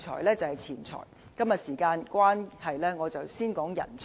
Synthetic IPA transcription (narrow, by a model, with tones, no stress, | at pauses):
t͡ʃʰɔ̰ː˨˩jlɛː˥t͡sɐ˨whɐ˨jt͡sʰiː˨˩nt͡sʰɔ̰ː˨˩jkɐ˥mjɐ˨t̚siː˨˩kaː˧nkʷwaː˥nhɐ˨jlɛː˥ŋɔː˨˧t͡sɐ˨˩wsiː˥nkɔː˨˥ŋjɐ̰˨˩nt͡sʰ